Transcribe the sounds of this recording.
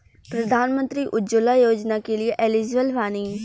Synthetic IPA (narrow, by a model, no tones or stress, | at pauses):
pɾəd̪ʱaːnmə̃nt̪ɾiːʔʊd͡ʒolaːjoːd͡ʒnakelieʔelɪzʋəlʋaːniː